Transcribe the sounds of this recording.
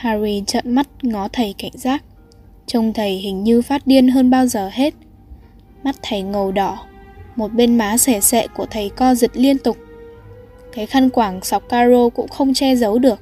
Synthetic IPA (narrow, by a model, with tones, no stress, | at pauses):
haː˧ɾi˧t͡ɕə̰˧˨nma˦˥t̚ŋɔ˨˦t̪ʰə˨˩jka˧˩jŋ̟zaː˦˥k̚ | t͡ɕə˧˩wŋ͡mt̪ʰə˨˩jhï˨˩ŋ̟ɲɨ˧faː˦˥t̚ɗi˧ənɦəː˧nɓaː˧wzəː˨˩ɦe˦˥t̚ | ma˦˥t̚t̪ʰə˨˩jŋə˨˩wɗɔ˧˩mo˨˩t̚ɓe˧nmaː˨˦sɛ˧˩sɛ̰˧˨ku˧˩ət̪ʰə˨˩jkɔ˧zi˨˩t̚li˧ənt̪ʊ˨˩k͡p̚ | kaː˨˦jxa˧nkwaː˧˩ŋsa˨˩wk͡p̚kaː˧zo˧kʊ̰˧˥ŋ͡mxə˧wŋ͡mt͡ɕɛ˧zə˨˦wɗɨ˨˩ək̚